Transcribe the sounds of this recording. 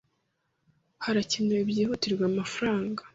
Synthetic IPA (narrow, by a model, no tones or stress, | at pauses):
haɾacinoibjehotiɾɡwamafuɾaːŋɡḁ